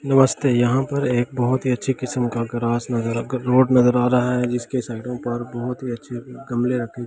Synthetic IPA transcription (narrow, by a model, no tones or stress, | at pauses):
nɐməst̪eːjɐɦãpɐɾeːk̚bɐɦʊt̪ɦiɐtːʃʰikɪsəmkaɡɾaːsnɐzəɾɾoːɖnɐzəɾaːɾaɦaɦɛd͡ʒɪskesaːɪʈõpɐɾbɔɦʊt̪ɦiɐtːʃʰeɡɐmleɾɐkʰẽ